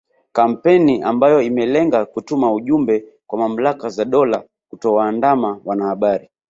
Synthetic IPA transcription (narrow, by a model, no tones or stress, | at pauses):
kam̩pɛniambajɔimɛlɛŋɡakutumauʄumbɛ | kwamam̩lakazaɗɔla | kutɔwaːndamawanahaɓaɾi